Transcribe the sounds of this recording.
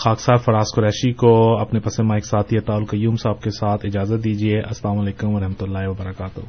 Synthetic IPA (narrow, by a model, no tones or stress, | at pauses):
xaːksaːɾfɐɾaːskʊɾɛːʃikoɐpnepɐsemaːɪksaːt̪ʰiɐt̪aːʊlkɐjːuːmsaːb̚kesaːt̪ʰɪd͡ʒaːzət̪̚d̪iːd͡ʒieʔɐslaːmɐleːkʊmʋɐɾɐɦmət̪ʊlːaːɦeʋɐbɐɾɐkaːt̪o̰